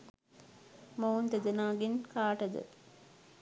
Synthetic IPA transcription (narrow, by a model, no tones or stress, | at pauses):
mownd̪əd̪ənaːɡenkaːʈəd̪ə̰